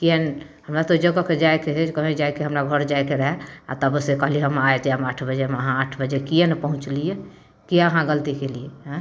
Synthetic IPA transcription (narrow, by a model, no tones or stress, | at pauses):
kien | həmɾat̪od͡ʒəɡəked͡ʒajkeɦɛd͡ʒkəbed͡ʒajkeɦəmɾaɡʱəɾd͡ʒaekeɾəɦɛa̰t̪əbsekəɦliɦəmajt̪eəmaʈʰbəd͡ʒemeəɦãaʈʰbəd͡ʒɛkijenepəɦũt͡ʃlije | kieəɦãɡəlt̪ikelijeɦɛ̃